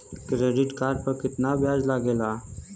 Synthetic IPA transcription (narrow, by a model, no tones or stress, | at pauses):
kɾeːɖɪʈkaːɾɖ̚pəɾkɪt̪nabʱjaːd͡ʒlaɡeːlaː